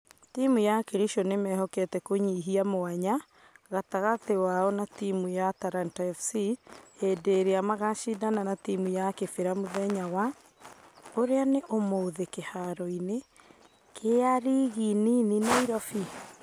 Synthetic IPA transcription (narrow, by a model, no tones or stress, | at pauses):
timujakeɾiʃonemɛɦɔkɛtɛkoɲiɦiamoaɲa | ɣataɣatewaɔnatimujataɾantɛfsiedeɾeamaɣaʃidananatimujakefeɾamoðɛɲawa | oɾeaneʔomoðekehaɾɔine | kʰeaɾiɣininineiɾɔfi